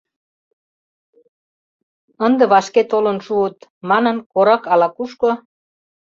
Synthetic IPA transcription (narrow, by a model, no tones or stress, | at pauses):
ənd̪ĕβɑʃket̪olənʃuət̪mɑnənkoɾɑkɑlɑkuʃko